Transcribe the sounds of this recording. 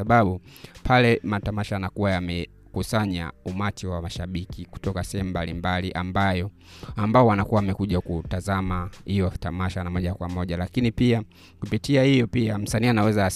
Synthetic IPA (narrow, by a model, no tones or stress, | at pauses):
aɓaɓupʰalɛmatamaʃaanakuwajamɛ | kusaɲa̰umat͡ʃiwamaʃaɓikiku̥tɔkasɛhɛmumbalimbaliʔambajɔ | ambaɔwanakuwawamɛkuʄakutazamahijɔtamaʃanamɔʄakwamɔʄalakinipia | kupitiahijɔpiam̩sanianawɛza